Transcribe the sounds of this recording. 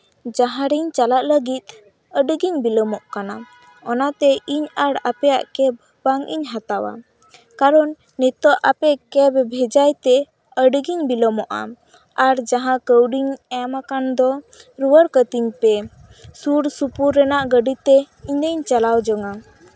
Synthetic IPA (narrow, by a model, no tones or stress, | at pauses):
d͡ʒaɦãɾiɲt͡ʃalaʔləɡit̪̚ | əɖɡiɲbiləmɔʔkana | ɔnat̪ɛʔiɲaɽapɛja̰ʔkɛb | baŋʔḭɲɦat̪awa̰ | kaɾɔnːit̪ɔʔʔapɛkɛbbʱɛd͡ʒajt̪ɛ | əɖɡiɲbiləmɔʔa̰ | aɾd͡ʒaɦãkəwɖiɲɛmakand̪ɔ | ɾuwəɾkət̪iɲpɛ | suɾsupuɾːɛnaʔɡəɖit̪ɛ | iɲd̪əɲt͡ʃalawd͡ʒɔŋa